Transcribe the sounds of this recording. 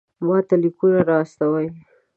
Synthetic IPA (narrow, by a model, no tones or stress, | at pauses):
mɑt̪alikunaɾɑːst̪awaj